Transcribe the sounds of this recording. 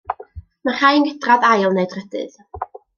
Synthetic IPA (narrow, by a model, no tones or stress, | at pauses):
maχaːjənɡədraðajlˠneɨdrədɨ̰ð